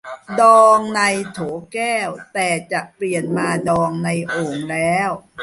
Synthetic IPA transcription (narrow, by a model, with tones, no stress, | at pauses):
dɔː˧ŋna˧jt̪ʰoː˩˦kɛː˥˩wt̪ɛː˨˩t͡ɕa˨˩ʔpli˨˩ənmaː˧dɔː˧ŋna˧jʔoː˨˩ŋlɛː˦˥w